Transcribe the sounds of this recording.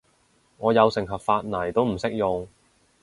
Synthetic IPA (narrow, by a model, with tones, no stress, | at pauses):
ŋɔː˨˧jɐ˨˧wsɪ˨˩ŋɦɐ˨p̚faː˧t̚nɐ˨˩jt̪o˥wm̩˨˩sɪ˥k̚jʊ˨ŋ